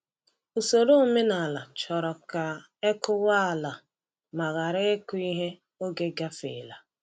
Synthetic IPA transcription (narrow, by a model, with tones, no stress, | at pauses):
u˨so˨ɾo˦me˦na˨la˨t͡ʃɔ˨ɾɔ˨ka˨ | e˦kʊ˦wa˦a˨la˨ | ma˨ɣa˨ɾɪ˦e˦kʊ˦i˦ɦe˦ | o˦ɡe˦ɡa˦fḛ˨la˨